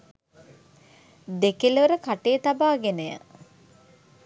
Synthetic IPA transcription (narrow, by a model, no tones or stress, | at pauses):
d̪ekilʋəɾəkaʈejət̪abaːɡenəjə̰